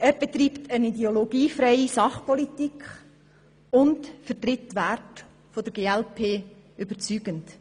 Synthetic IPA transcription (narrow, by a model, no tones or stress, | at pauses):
æːɾb̥ɛt̪riːpt̪ənidɛoloɡ̥iːfɾɛɪisɑχpʰɔlit̪ikχ | ʊntfətrɪtːʋært | fod̥̪əɾɡeːɛlpʰeː | ʏbəɾt͡syːɡ̥ənt